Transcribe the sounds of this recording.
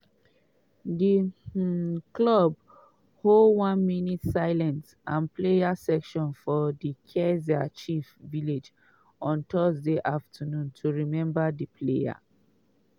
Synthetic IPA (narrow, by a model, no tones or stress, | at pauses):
di | klɔb̚ | holdwãnminitsaɪlɛ̃ns | ãnplejasɛkʃɔ̃nfɔdikʰɛziat͡ʃifviled͡ʒ | ɔ̃ntʰɔzdeʔaftʰənũntʰuɹimɛ̃mbadipʰleja̰